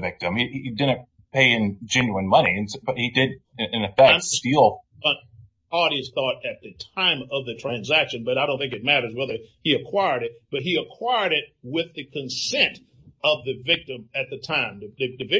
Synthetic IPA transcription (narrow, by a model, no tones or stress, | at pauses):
vɪk̚tɨ̃midɪdⁿn̩ | pʰeɪɨ̃nd͡ʒɪ̃njuɨ̃nmʌniɨ̃nsb̥ʌt̚hidɪdɨɨ̃nɨfæstilˠ | ə̃n | ɑɾiɨsθɔɾɨt̪̚ðɨtʰãɪ̃mʌvðɨtʰɹ̥æ̃nzækʃɨ̃nbʌɾaɪɾõʊ̃nθɪ̃ŋkɨt̚mæɾə˞zwɛðə˞ | iɨkʰw̥aɪə˞ɾɨt̚b̥ʌt̚ɦiɨkʰw̥aɪə˞ɾɪt̚wɪðɨkʰɨ̃nsɛ̃nt | ʌvðɨvɪk̚tɨ̃mɨt̪̚ðɨtʰãɪ̃mðɨðɨɨvɪ